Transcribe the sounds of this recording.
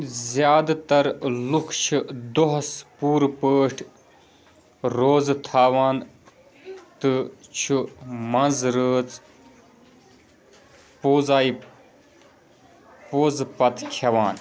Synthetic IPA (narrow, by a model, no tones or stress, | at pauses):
zjaːd̪t̪ɐɾlukʰt͡ʃʰɨd̪oɦɐspuːɾpəːʈʰ | ɾoːzt̪ʰaːʋaːn | t̪ɨt͡ʃʰumɐnzɾəːt͡s | poːzaːi | poːzpɐt̪kʲʰɐʋaːn